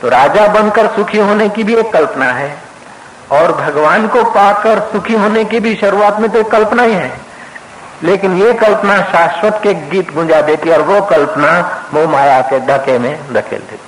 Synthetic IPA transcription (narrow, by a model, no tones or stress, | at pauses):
t̪oɾaːd͡ʒabə̃nd̪kəɾsʊkʰiɦoːnekibʱieːkːəlpnaɦɛ | ɔːɾbʱɐɡʋaːnkopaːkəɾsʊkʰiɦoːnekibʱiʃɐɾuaːt̪mẽt̪oekːəlpnaiɦɛ̃ː | leːkɪnjekəlpnaʃaːswət̪kekɡiːt̪ɡʱʊ̃d͡ʒad̪eːt̪iɔːɾʋokəlpnaʋomaːjaked̪ʱəkemẽɾɐkʰḛld̪ḛːt̪i